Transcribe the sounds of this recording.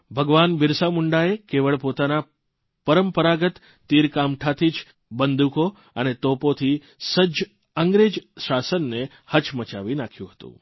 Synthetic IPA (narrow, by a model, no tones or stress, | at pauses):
bʱəɡʋanbɪɾsamʊɳɖaekeʋəɭpot̪ana | pəɾəmpəɾaɡət̪ː | iɾkamʈʰat̪ʰit͡ʃ | bənd̪uko | ənet̪opot̪ʰi | səd͡ʒ | əŋɡɾed͡ʒʃasənːe | hət͡ʃmət͡ʃa̰ʋinakʰjũɦət̪ṵ̃